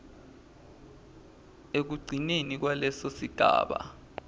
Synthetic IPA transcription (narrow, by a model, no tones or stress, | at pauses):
ek̬uɡ͡ǀʱinenik̬walɛsosiɡ̥ʱa̰ːɓa̰